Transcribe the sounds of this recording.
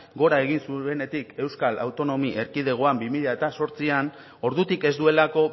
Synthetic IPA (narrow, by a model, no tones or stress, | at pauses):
ɡo̞ɾae̞ɣ̞insue̞ne̞t̪ike̞wskala̰wt̪o̞no̞miʔe̞ɾkið̞e̞ɣ̞o̞ambimiʎae̞t̪aso̞ɾt͡sian | o̞ɾðut̪ike̞zd̪ue̞lako̞